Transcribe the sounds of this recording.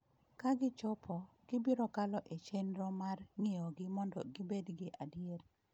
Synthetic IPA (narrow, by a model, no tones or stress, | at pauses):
kaɡɪt͡ʃɔpʰɔ | ɡ̥ɪbiɾɔkalɔʔet͡ʃenɾɔmarŋɪɔɡɪmɔndɔ̰ɡɪbedɡɪʔadiel